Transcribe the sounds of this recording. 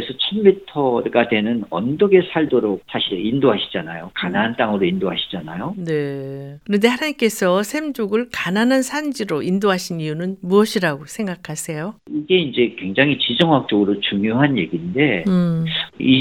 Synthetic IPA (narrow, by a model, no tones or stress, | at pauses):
esʰʌt͡ɕʰʌnmitʰʌɾɡadwe̞nɯnʌ̰ndʌɡe̞sʰaɭdoɾok̚s͈ʰaɕʰiɾeindoɦaɕʰi̥d͡ʑanajokananant͈aŋɯɾoindoɦaɕʰi̥d͡ʑanajone̞kɯɾʌnde̞hanaɲimk͈e̞sʰʌsʰe̞md͡ʑoɡɯɭkananɦansʰand͡ʑiɾoʔindoɦaɕʰinijunɯnmuʌɕʰiɾaɡosʰe̞ŋɡakʰasʰe̞joiɡe̞ind͡ʑe̞kwe̞ŋd͡ʑaŋɦit͡ɕid͡ʑʌŋwak̚t͡ɕ͈ʌɡɯɾot͡ɕuŋjoɦanje̞ɡinde̞ | i